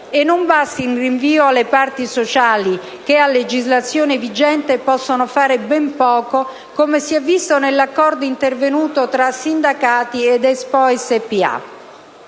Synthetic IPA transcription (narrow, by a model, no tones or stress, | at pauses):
enːombast̪inriɱviːoalːepart̪isot͡ʃaːli | k̟ealːed͡ʒizlat̪sːjoːnevid͡ʒɛnt̪epɔsːonofaːɾebɛmpɔːko | komesiɛvːist̪onelːakːɔrd̪oint̪ervenuːt̪ot̪ɾasːind̪akaːt̪ied̪ɛspɔɛsepːia̰